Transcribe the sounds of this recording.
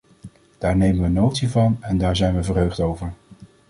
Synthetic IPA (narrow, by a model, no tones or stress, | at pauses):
d̥aːɹnejmənʋənowtsivɑnɛndaːɹzɛjnʋəvərɦøɥχtowvəɹ